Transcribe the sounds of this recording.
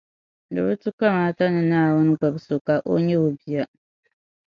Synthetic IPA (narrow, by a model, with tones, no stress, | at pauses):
dɨ˨bɨ˦tɨ˦ka˦maː˦ta˦nɨ˨naː˦˨wʊ˦nɨ˦ɡ͡ba˨bso˨ka˨ʔo˦ɲɛ˦o˨bi˨ja˦